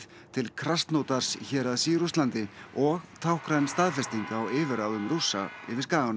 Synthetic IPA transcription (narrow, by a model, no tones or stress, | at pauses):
t̪ʰɪlkʰɾast̪nowt̪aɾ̥sçɛːɾaðsiːɾust̪lant̪ɪɔɣt̪ʰawhkɾajnst̪aːðfɛst̪iŋkaawɪːvɪɾawðʏmrusːa̰ɪ̰vɪɾ̥skaːɣanʏ